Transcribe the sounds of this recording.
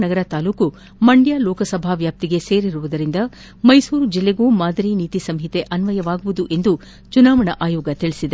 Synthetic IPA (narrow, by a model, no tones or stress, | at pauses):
nɐɡɐɾɐt̪aːluːku | mɐɳɖjaːlɔːkɐsɐbʱaːʋjaːp̚t̪iɡe̞se̞ːɾiɾuʋud̪ɐɾind̪ɐ | mɐjsuːɾud͡ʒilːe̞ɡuːmaːd̪ʱɐɾiniːt̪isɐmɦit̪e̞ʔɐnʋɐjɐʋaːɡuʋud̪uʔe̞nd̪u | t͡ʃunaːʋɐɳɐʔaːjoːɡɐt̪iɭisid̪e